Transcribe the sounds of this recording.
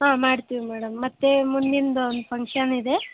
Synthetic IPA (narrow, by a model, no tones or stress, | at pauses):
ɦaːmaːɽt̪iʋimɛːɽɐmːɐt̪ːemund̪ind̪ɐond̪upʰɐŋkʂɐnid̪e̞